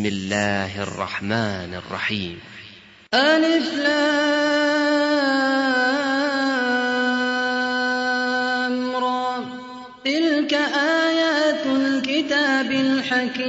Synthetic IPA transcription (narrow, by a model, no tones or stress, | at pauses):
mɪlːaːhʔɑ̰rˤːɑ̰ħmaːnɑ̰rˤːɑ̰ħiːm | ʔanɪfla | mɾɑ | t̪ɪlkaʔaːjaːt̪lkɪt̪aːbɪlħakiː